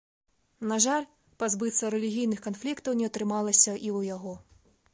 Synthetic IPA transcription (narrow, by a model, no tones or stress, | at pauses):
naʐalʲ | pazbɨt̪sɐɾɛlʲiɣʲijnɨxkanflʲikt̪ɐwnʲɛɐt̪ɾɨmalˠɐsʲɐʔiwjaɣɔ